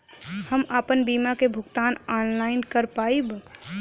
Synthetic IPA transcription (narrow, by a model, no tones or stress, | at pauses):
həmaːpənbimakebʱʊɡt̪aːnɔːnlaːɪnkəɾpaːib